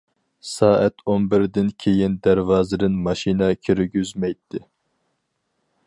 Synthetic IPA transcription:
sɑːʔɛt̪ʰonbɪɾd̪ɪnkʲʰejind̪æɾvɑːzɨd̪ɪnmɑʃinɛkʲʰyɾɡʲyzmɛjt̪ʰːɪ

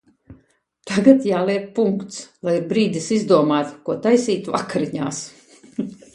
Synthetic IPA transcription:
t̪aɡat̪jaːlˠiɛp̚puŋkt̪slˠajiɾbɾiːd̪ʲisizd̪uɔmaːt̪kuɔt̪ajsiːt̪uva̰kaɾiɲa̰ːs

